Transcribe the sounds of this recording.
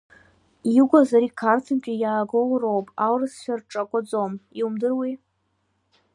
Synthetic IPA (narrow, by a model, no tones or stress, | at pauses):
iɡʷazaɾikʰartʰɨmkʲʼijaːɡolrowpʼawrɨsʃʷᶣarʈ͡ʂʼakʷʼad͡zomiumdɨrwi